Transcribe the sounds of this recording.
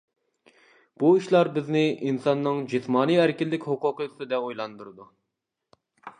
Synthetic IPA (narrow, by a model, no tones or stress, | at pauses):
b̥uiʃlˠɑɾbɪznɪʔinsɑnːɨŋd͡ʒismɑːnɨjæɾkʲɪlːɪkʲhʊqʊqəsɨd̪ɛojlˠɑnd̪uɾɨd̪u